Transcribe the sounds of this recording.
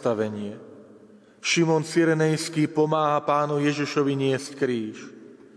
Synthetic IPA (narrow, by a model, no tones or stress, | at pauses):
t̪aʋɛɲɪɛ | ʃimɔnt͡siɾɛnɛjskiːpɔmaːɦapaːnujɛʒiʃɔʋiɲɪɛsckɾiːʃ